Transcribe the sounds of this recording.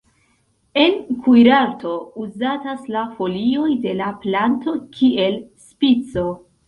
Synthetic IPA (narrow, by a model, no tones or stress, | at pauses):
e̞nkʰujɾaɾto̞uzataslafo̞lio̞jde̞laplanto̞kʰie̞lspit͡so̞